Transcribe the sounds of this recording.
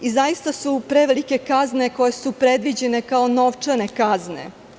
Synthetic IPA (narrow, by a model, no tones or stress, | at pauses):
izajist̪asupɾeʋelike̞kazne̞ko̞jesupɾe̞d̪ʋid͡ʑe̞ne̞kaono̞ʋt͡ʂane̞kaznḛ